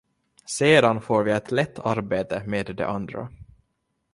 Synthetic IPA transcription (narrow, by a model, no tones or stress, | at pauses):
seːd̪anfoːɾvɪɛt̪lɛt̪ʰːaɾbeːt̪əmeːd̪ːɛ̰ʔand̪ɾa̰